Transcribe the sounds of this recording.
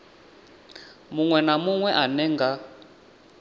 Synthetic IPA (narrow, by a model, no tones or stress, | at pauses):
muŋwɛnamuŋwɛʔanɛŋɡa